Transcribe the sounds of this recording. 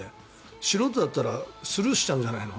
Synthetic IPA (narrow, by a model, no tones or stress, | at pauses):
e | ɕiɾot̪ːod̪at̪ːaɾasɨɾɯɕi̥t͡ɕãɲ̟d͡ʑanaino